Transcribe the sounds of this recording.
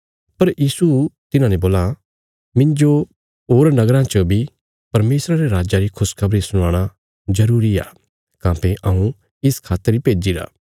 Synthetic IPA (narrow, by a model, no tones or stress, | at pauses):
pɐɾjiːsut̪ɪnãːnẽboːla | mɪ̃nd͡ʒo | ɦoːɾnɐɡɾãt͡ʃəbʱi | pɐɾmeːsɾaɾeɾaːd͡ʒaɾikʰʊskʰɐbɾisʊɽ̃aːɽ̃a | zɐɾuːɾia̰ː | kãːpeʔɐũ | ɪskʰaːt̪ːəɾipeːd͡ʒiɾa̰ː